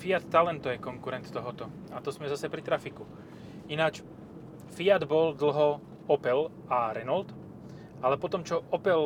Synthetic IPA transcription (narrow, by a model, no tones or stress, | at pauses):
fiat̪ːalɛnt̪ɔjɛkɔŋkuɾɛnt̪t̪ɔɦɔt̪ɔ | at̪ɔzmɛzasɛpɾit̪ɾafiku | inat͡ʃ | fiad̪bɔld̪l̩ɦɔ | ɔpɛl | aɾɛnɔlt̪ | ʔalɛpɔt̪ɔmt͡ʃɔʔɔpɛl